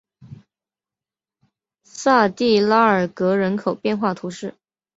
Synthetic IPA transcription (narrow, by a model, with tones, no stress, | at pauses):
sa˥˧t̪i˥˩la˥ə˞˨˩kɤ˧˥ɻə˧˥nkʰo˨˩ʊpjɛ˥˧nxwa˥˩t̪ʰu˧˥ʂɻ̩˥˩